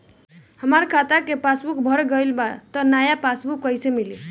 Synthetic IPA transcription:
həmaɾkʰat̪akepasbukbʱəɾɡəlbat̪ɔnajapasbukːəjsemili

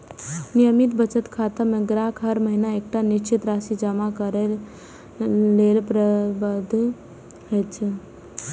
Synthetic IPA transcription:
nijəmit̪bət͡ʃət̪kʰat̪əmẽɡɾaːkʰɦəɾməɦinaek̚ʈaniʃt͡ʃʰit̪ɾasid͡ʒəmakəɾel | lelpɾəbəd̪ʱ | ɦət͡ʃʰ

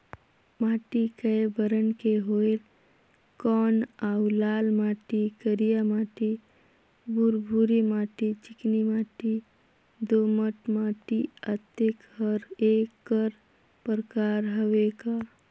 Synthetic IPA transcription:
maːʈikəebəɾənkeɦoel | kɔːnaulaːlmaːʈikəɾijamaːʈi | buɾbʱuɾimaːʈit͡ʃɪknimaːʈi | d̪oːməʈmaːʈiət̪ekhəɾeːkːəɾ | pəɾəkaːɾɦəʋeka

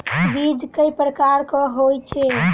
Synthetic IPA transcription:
bid͡ʒkəjpɾəkaɾkɔɦojt͡ʃʰe

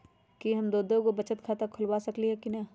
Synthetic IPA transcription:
kiɦɐmd̪oːd̪õkobɐt͡ʃət̪kʰaːt̪akʰʊlwaːsɐkliɦɛkinɐ

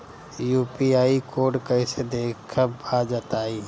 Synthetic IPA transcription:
juːpiaːikoːɖkəɪsed̪eːkkʰabʱad͡ʒaːt̪aːi

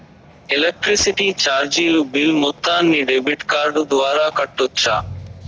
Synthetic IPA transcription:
elek̚ʈɾisiʈiːt͡ʃaːɾd͡ʒiːlubilmut̪ːaːnːiːɖebiʈkaːɾɖd̪ʋaːɾaːkɐʈːut͡ʃʰa̰ː

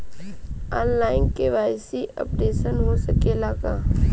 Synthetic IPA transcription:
aːnlaːɪnkeʋaːɪsiʔə̰pɾeːʃənɦosəkelaːɡaː

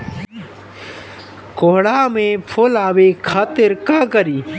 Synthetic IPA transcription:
koɦɽaːmẽpʰolaːwekʰaːt̪ɪɾkaːkɐɾiː

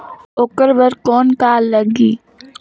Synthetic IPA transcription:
okəɾbəɾkɔːnkaːlləɡiː

